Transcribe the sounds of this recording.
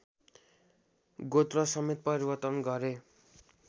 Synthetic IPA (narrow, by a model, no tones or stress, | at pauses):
ɡot̪rʌsʌmet̪̚pʌɾibʌrt̪ʌnɡʌɾe